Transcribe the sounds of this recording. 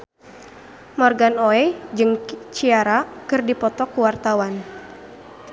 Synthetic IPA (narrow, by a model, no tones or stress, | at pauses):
mɔrɡanoɛd͡ʒɨŋt͡ʃiaɾakɨrdipɔt̪ɔkuwart̪awan